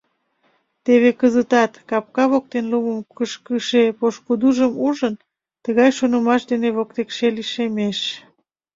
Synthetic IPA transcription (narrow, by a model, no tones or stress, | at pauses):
t̪eβekəzət̪ɑt̪kɑp̚kɑβok̚t̪enluməmkəʃkəʃepoʃkud̪uʒəmuʒən | t̪əɣɑjʃonəmɑʃd̪eneβokt̪ekʃeliʃemeʃ